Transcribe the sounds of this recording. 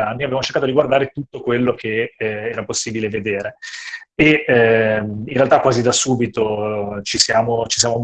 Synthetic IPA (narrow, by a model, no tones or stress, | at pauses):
anːiavevamot͡ʃeɾkat̪od̪iɡward̪aːɾet̪ut̪ːokwelːokʰeɛːɾaposːiːbileved̪eːɾe | e | minrealt̪akːwaːzid̪asuːbit̪ot͡ʃisjaːmot͡ʃis̬jaːmom